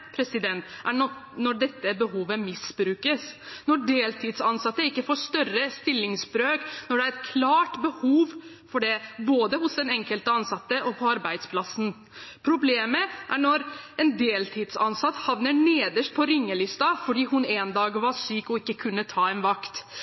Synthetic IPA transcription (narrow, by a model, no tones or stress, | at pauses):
pʰɾɛsɪd̪ɛnt̪ʔæɔnɔɖɛt̪ːəbəɦuːʋəmɪsbɾʉːkəsnɔɖeːlt̪ʰɪd̪sɑnsɑt̪ːəɪkːəfɔʂt̪œrəst̪ɪlːɪŋsbɾøːknɔɖɛæɾɛt̪kʰlɑːʈbəhuːʋ | fɔɖɛboːd̪əhʊsd̪ɛnɛŋkəlt̪əɑnsɑt̪ːəʔɔpʰɔɑɾbæɪd̪spʰlɑsn̩ | pʰɾʊbleːməʔæɳɔɾɛnd̪eːlt̪ʰɪd̪sɑ̰nsɑt̪ːhɑʋnəɳeːd̪əʂʈ̚pʰɔɾɪŋːəlɪst̪ɑfɔɖiːɦʊneːnd̪ɑːɡʋɑɾʂyːkɔɪkːəkʰʉnːət̪ʰɑːɛnʋɑkt̪